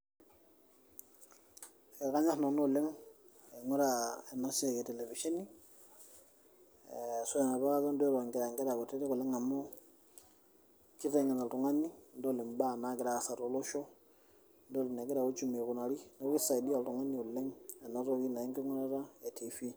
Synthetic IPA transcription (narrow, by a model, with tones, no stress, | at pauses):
ɛ˨ɾka˦ɲa˦sno˨no˦˨le˦ŋ | e˨ŋu˦ɾa˨e˨na˦se˦˨kɛ˨te˨le˨fi˨ʃe˦ni˦ | so˦ɛ˨na˨ba˦ka˦za˦ndɔ˦ɾo˨ŋɡɾa˨ŋɡɛ˦ɾa˨ku˨te˦ɾi˦ku˨lɛ˦ŋa˨mo˦ | ki˦te˨ŋɛ˨na˨ltu˨ŋa˦ni˦ndo˦li˨mba˦˨na˦ɡɪ˨ɾa˨sa˨ɾo˨lo˦ʃo˦ | ndo˦li˨ne˨ɡɛ˦ɾa˨ku˦t͡ʃu˦me˨ku˨na˨ɾi˦no˦ki˦sa˨i˨di˦a˨ltu˨ŋa˦ni˨u˨lɛ˦ŋe˨na˦ɾo˦ki˦na˨i˦ŋki˦ŋu˦ɾa˦ɾa˦e˨tʰi˨fi˦